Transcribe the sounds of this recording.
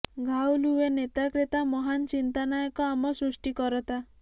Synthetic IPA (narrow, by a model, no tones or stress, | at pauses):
ɡʱawluʋenet̪akɾet̪amɔɦant͡ɕint̪anajkɔamɔsɾuʂʈikɔɾɔt̪a